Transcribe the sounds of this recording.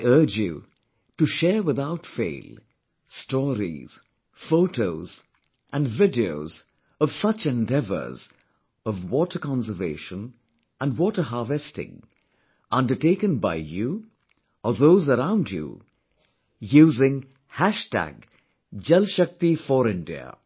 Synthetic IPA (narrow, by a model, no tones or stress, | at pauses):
aɪɜ˞d͡ʒjṵ | tɨʃɛɹwɪðaʊtfḛɪlˠ | stɔɾḭz̥ | foʊtʰoʊz̥ | ʔæ̃nvɪdioʊz | ʌv̥sʌt͡ʃɛ̃ndɛvə̰˞z | ʌvwɔtə˞kɑ̃nsəvḛɪʃə̃n | ʔə̃ndwɔtə˞ɦɑːvɛstɪ̰̃ŋ | ʔʌ̃ndə˞ʈeɪkə̃nba̰ɪju | əðoʊzəɾãʊ̃nd͡ʒjṵ | juːzɪ̃ŋ | hæʃtæ̰ɡ | d͡ʒɛlʃʌk̚t̪ifɔɾɪ̃ndḭə̰